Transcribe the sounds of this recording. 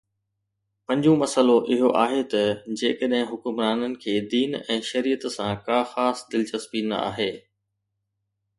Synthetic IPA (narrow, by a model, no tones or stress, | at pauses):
pɐ̃ɲd͡ʑũmɐsəloʔɪɦoʔaːɦet̪ɐd͡ʑeːkəɗɦɪ̃ɦʊkʊmɾaːnənɪ̆kʰeːd̪iːnɛ̃ːʃɐɾiːət̪sãkaːxaːsd̪ɪlt͡ɕɐspinɐ̰a̰ːɦeː